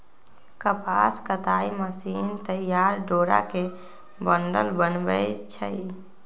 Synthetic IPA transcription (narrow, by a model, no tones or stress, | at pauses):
kəpaskət̪aiməsint̪əjaɾɖoːɾa̰ke | bəɳɖəlbənbəjt͡ʃʰə̰j